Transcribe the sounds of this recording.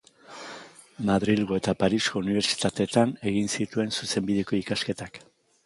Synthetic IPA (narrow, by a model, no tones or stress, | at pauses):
maðɾilɣoe̞t̪apaɾisko̞uniβ̞e̞ɾt͡ʃi̥t̪at̪e̞t̪ane̞ɣinsit̪ue̞nsuse̞mbiðe̞ko̞ikaske̞t̪ak